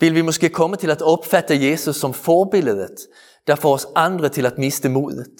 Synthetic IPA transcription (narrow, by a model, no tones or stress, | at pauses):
vɪlvɪmɔskəkʰɔmːat̪ʰɪlat̪ɔpːfat̪ːajeːsɵsːɔmfɔɾbɪləd̪ət̪ | d̪̥æɾfoːɾɔsand̪ɾət̪ʰɪlat̪mɪst̪əmuːd̪ət̪